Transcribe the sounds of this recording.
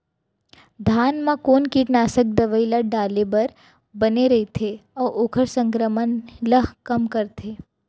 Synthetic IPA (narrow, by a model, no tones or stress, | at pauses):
d̪ʱaːnmãkoːnkiʈnaːsək̚d̪ɐʋəilaɖaːlebɐɾ | bɐneɾɐɦet̪ʰeɔːɾʊkʰəɾsə̃ŋkɾəmənləɦkɐmkɐɾt̪ʰeː